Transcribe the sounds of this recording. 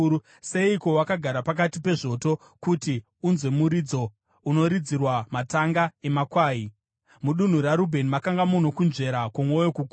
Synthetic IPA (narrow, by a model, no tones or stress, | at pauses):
se̞iko̞wakaɡʱaɾapak̬atipe̞ʐo̞to̞ | kuti | unzwe̞muɾid͡zo̞ | uno̞ɾid͡zirwamataŋɡae̞makwaːi | muɗun̤uɾaɾubʱe̞nimakaŋɡamuno̞kunʐe̞ɾakomwo̞jokuku